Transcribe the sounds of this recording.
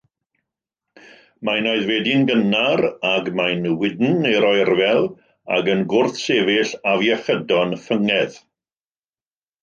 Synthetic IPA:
majnoɨðveːdɪnɡənaɾaɡmajnəwɪdn̩ːejɾɔɨrvɛlˠ | a̰ɡənɡʊrθseːvɪɬavjaχədɔnfəŋɛð

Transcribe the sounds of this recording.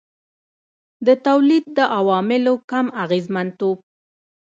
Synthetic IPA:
d̪ət̪awlid̪̚ːəʔawɑmɪlokamaɣezmant̪ob̚

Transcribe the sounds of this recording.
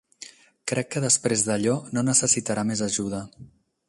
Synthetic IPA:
kɾɛkːəðəspɾezðəʎɔnonəsəsit̪əɾamezəʒuð̞ə

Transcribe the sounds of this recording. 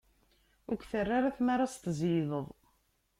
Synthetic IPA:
ʊkθərːaɾaθmaɾast̪zjiðˤəðˤ

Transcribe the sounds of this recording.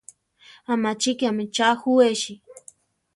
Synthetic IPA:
amat͡ʃɪkamɪt͡ʃaxuweʃi

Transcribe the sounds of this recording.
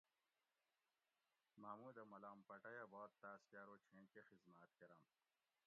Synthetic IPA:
maːmuːd̪ɐmɐlaːmpɐʈɐjɐboːt̪t̪ːaːskjaːɾoːt͡ɕʰẽːkexizmaːt̪keɾa̰m

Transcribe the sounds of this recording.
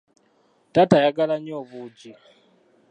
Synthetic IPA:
tʼatʰajak̬ʼalaɲɔβuːd͡ʒi

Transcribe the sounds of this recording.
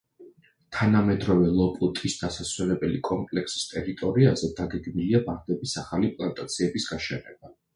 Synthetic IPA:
t̪ʰanamɛd̪ɾɔvɛlˠɔpʼut̪ʼisd̪̥asaswɛlɛbɛlikʼɔmpʼlɛksi̥st̪ʼɛɾit̪ʼɔɾiazɛd̪aɡɛɡmiliabaɾd̪ɛbisaχalipʼlˠant̪ʼat̪sʰiɛbisɡaʃɛnɛba

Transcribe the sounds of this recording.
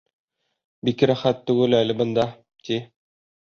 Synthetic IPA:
bikɾæχæt̪ːʉɡɘlælɘ̆bɤ̆nd̪ɑ | t̪i

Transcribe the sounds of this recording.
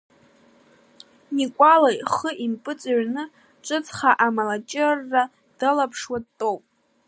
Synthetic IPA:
nikʷʼalajχəʔimpʼɨt͡sʼaɥnɨ | ʈ͡ʂʼɨt͡sʼχaʔamalat͡ʃʼɪrːa | d̥alapʰʂwadtʼowpʼ

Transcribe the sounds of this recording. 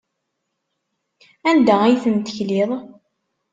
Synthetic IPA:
ænd̪ææjθənt̪əçliðˤ

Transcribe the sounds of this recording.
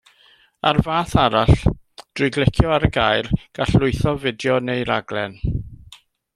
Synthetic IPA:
arvaːθaɾaɬ | d̥rʊjɡlɛkʰjɔaɾəɡajrɡ̥aɬlʊɨθɔvɪdjɔnejɾaɡlɛn

